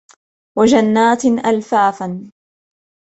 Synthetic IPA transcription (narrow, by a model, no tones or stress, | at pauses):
wad͡ʒanːaːt̪ʔalfaːfan